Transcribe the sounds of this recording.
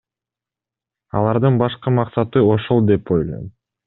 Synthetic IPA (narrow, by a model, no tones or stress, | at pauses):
ɑ̰lˠɑɾd̪ɯnbɑʃqɯmɑqsɑt̪ɯo̞ʃolˠd̪e̞po̞jlˠo̰jm